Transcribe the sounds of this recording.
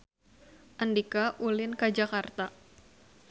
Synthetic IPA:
ʔandikaʔulɪnkad͡ʒakart̪a

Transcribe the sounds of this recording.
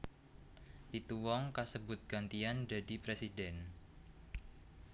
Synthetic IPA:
pit̪uwɔŋkasəbʊt̪̚ɡ̥ant̪iandadipɾesidɛn

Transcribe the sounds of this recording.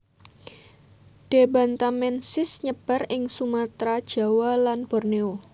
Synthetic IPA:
d̥e̤ba̤nt̪amɛnsɪsɲəb̥a̤rɪŋsumat̪ɾad̥ʒ̥a̤walanb̥ɔrneo

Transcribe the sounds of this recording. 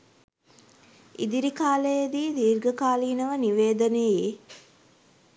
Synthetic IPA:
ḭd̪iɾikaːləjed̪iːd̪iːrɡəkaːliːnəʋəniʋeːd̪ənejje

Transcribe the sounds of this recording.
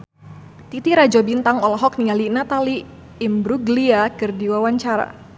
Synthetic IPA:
t̪it̪iɾad͡ʒɔbint̪aŋɔlɔɦɔk̚nialinat̪aliː | mbɾuɡliakɨrdiwawaɲt͡ʃaɾa̰

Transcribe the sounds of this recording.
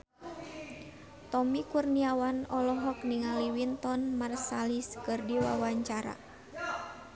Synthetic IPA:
t̪ɔmikurniawanɔlɔɦɔkniŋaliwint̪ɔnmarsaliskɨrdiwa̰waɲt͡ʃaɾa̰

